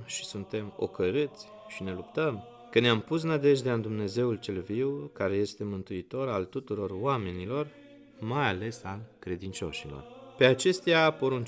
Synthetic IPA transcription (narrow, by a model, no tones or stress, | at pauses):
ʃisunt̪e̞mo̞̰kəɾɨt̪sʲ | ʃine̞lupt̪əm | kəneampus̬nad̪e̞ʒd̪eand̪umne̞ze̞ult͡ʃe̞lviwkaɾe̞je̞st̪e̞mɨnt̪uit̪o̞ɾalt̪ut̪uɾo̞rwame̞nilo̞r | majale̞salkɾe̞d̪int͡ʃo̞̰ʃilo̞̰rpe̞at͡ʃe̞st̪eapo̞ɾunt͡ʃ